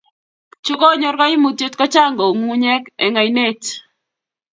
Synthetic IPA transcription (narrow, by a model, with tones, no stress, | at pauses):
t͡ʃʊ˦kɔ˦ɲɔ˦ɾka˦ɪ˦mu˨t̪je˦t̪kɔ˦t͡ʃa˦˨ŋɡo˨ŋu˦ɲɛ˦kɛ̰˨ŋa˨ine˦˨t͡ʃ